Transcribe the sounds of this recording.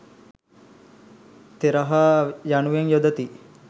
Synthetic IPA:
t̪eɾɐɦaːjanuʋeŋjod̪ɐt̪i

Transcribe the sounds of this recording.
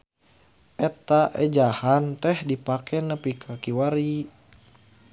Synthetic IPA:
ʔɛt̪aʔɛd͡ʒahant̪ɛhdipakʰɛnəpikʰakiwaɾi

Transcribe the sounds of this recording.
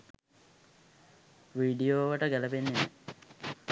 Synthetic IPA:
ʋiːɖijoːʋəʈəɡæləpenːene

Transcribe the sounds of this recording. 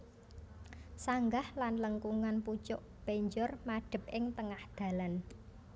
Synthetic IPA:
saŋɡahlanləŋkuŋanput͡ʃʊʔ | b̥eɲd͡ʒɔrmaɖ̥ə̤p̚ɪŋt̪əŋahd̪̥ä̤lan

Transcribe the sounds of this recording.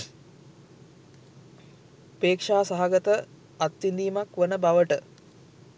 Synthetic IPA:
peːkʂaːsaɦaɡət̪ə | at̪ːind̪iːmakʋənəbaʋəʈə

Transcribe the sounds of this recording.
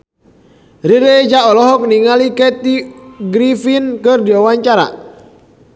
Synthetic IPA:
riɾed͡ʒaʔɔlɔɦɔk̚niŋalikɛt̪iɡɾifinkɨrdiawaɲt͡ʃaɾa̰

